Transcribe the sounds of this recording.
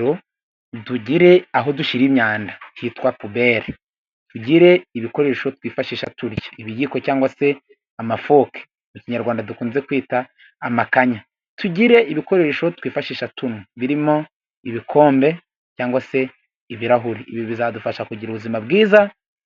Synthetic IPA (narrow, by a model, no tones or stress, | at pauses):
ɾo | duɟiɾe̞aɦo̞duʃiɾimɲaːndahitwapubeːɾe | tuɟiɾe̞iβiko̞ɾe̞ɾeʃo̞twiːfaʃiːʃatuɾjaiβijiko̞caːŋɡwase̞ | amafo̞ːke̥ | muciɲaɾɡwaːndadukuːnze̞kwiːtaː | makaɲa | tuɟiɾe̞ʔiβiko̞ɾe̞ɾeʃo̞twiːfaʃiːʃatunuβiɾimo̞ | iβikʰo̞ːmbe̞ | caːŋɡwase̞ | iβiɾaɦuɾiiβiɾoβizadufaʃakuɟiɾuβuzimabɡiːza